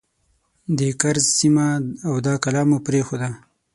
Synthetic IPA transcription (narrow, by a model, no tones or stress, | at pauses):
d̪ekaɾzsimaːwd̪ɑkalɑmopɾexod̪a